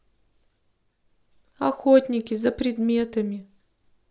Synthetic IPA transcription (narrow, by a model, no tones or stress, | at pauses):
ɐxotʲnʲɪkʲɪzɐpɾʲɪd̪mʲe̞t̪əmʲɪ